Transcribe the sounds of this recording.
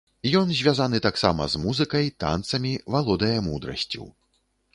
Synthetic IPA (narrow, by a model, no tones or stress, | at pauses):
jɔnzʲvʲazanɨt̪aksamɐ̰zmuzɨkɐjt̪a̰nt̪sɐmʲivalˠɔd̪ɐjɐmud̪ɾɐ̰sʲt͡sʲṵw